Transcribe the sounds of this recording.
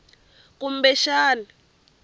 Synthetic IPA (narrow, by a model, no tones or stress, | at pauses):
k̬ʼum̩bɛʃaːna